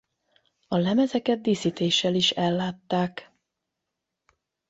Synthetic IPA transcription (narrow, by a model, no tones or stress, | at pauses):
ɒlɛmɛzɛkɛd̪̚d̪iːsit̪eːʃːɛliʃɛlːaːt̪ːaːk